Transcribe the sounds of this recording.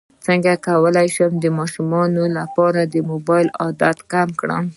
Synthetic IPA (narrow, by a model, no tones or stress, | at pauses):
t͡səŋɡakawəlajʃəmd̪əmɑʃumɑnolapɑɾad̪əmobɑjlɑd̪at̪kamkɽə̰m